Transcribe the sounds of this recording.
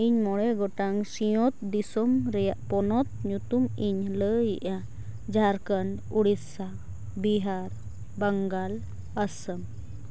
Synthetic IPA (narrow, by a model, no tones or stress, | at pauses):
iɲmɔɽɛɡɔʈaŋsijɔt̪̚d̪isɔmɾɛjaʔpɔnɔt̪̚ɲut̪umiɲləjiʔa | d͡ʒaɾkan | uɽisa | biɦaɾ | bəŋɡal | asəm